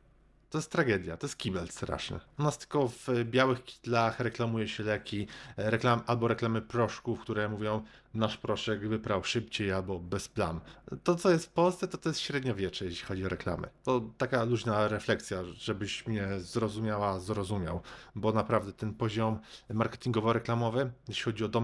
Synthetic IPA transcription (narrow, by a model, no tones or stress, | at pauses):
t̪ɔjɛst̪ːɾaɡɛd̪ʲjat̪ɔjɛst̪̚kʲibɛlst̪ɾa̰ʂnɘ̰unast̪ɘ̥lkɔvbʲjawɘxkʲi̥t̪laxɾɛklamujɛɕɛlɛkʲʰiɾɛklamʔalbɔɾɛklamɘpɾɔʂkufkt̪uɾɛmuvʲjɔ̃w̃ | naʂpɾɔʂɛkvɘpɾawʂɘpt͡ɕejalbɔbɛspla̰nt̪ɔt̪sɔjɛst̪fpɔlst̪sɛt̪ɔt̪ɔjɛst̪ɕɾɛd̪ɲɔvʲjɛt͡ʂɛjɛɕlʲi̥xɔd͡ʑiɔɾɛkla̰mɛ̰t̪ɔt̪akaluʑnaɾɛflɛk̪sʲjaʐ̥ɛbɘɕmɲɛzɾɔzumʲjawazɾɔzumʲja̰wbɔnapɾavd̪ɛt̪ɛnpɔʑɔmmaɾkɛ̥t̪ʲiŋɡɔvɔɾɛklamɔvɘjɛʃɕlʲixɔd͡ʑiɔd̪ɔm